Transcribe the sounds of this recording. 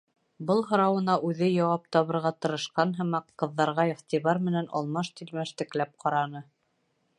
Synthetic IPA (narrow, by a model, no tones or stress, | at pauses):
bɤlˠɦɤ̆ɾɑwɤ̆nɑʔʉðɘjɑwɑp̚t̪ɒβɤ̆ɾʁɑt̪ɤ̆ɾɤ̆ʃqɑnɦɤ̆mɑqːɤ̆ðːɑɾʁɑiχt̪ʲiβɑɾmɘ̆nænʔɑ̰lˠmɑʃt̪ilmæʃt̪ɘ̆klæp̚qʰɑɾɑnɤ